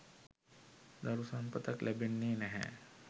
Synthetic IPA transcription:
d̪ɐɾusɐmpət̪ɐklʔɛbenːeːnɛɦɛ̰

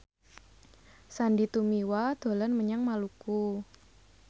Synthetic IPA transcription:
sandit̪umiwad̪̥o̤lɔnməɲaŋmaluku

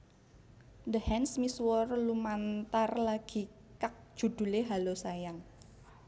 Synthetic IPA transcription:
d̪əhɛnsmiswɔrlumant̪arlaɡ̥i̤ | kak̚ʒ̥ṳd̪̥ṳleɦalosajaŋ

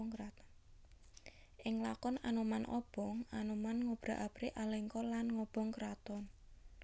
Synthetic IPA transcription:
ŋkɾat̪n | ʔɪŋlakɔnanumanʔɔ̰b̥ɔŋanumanŋob̥ɾa̤ʔab̥ɾeʔaleŋkɔlanŋɔb̥ɔ̤ŋkɾat̪ɔn

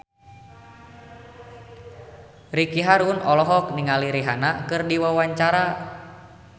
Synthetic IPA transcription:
rikiɦaɾunɔlɔɦɔk̚niŋaliɾiɦanakɨrdiwawaɲt͡ʃaɾa

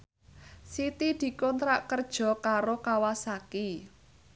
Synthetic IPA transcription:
sit̪id̪̥i̤kɔnt̪ɾaʔkərd̥ʒ̥ɔ̤kaɾokawasaki

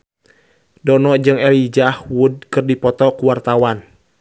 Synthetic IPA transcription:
dɔnɔd͡ʒɨŋɛlid͡ʒahwud̚kɨrdipɔt̪ɔkuwart̪awan

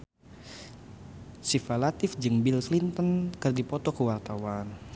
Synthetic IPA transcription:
sifalat̪ɪfd͡ʒɨŋbilslint̪ənkɨrdipɔt̪ɔkəwart̪awan

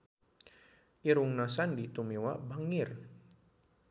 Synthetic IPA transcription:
ʔiɾuŋnasandit̪umiwabaŋir

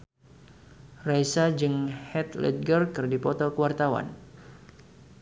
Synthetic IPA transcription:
rajsad͡ʒɨŋhɛt̪lɛ̰t̪̚ɡərkɨrdipɔt̪ɔkəwart̪awa̰n

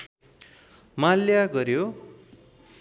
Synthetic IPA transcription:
maljaɡʌɾjo

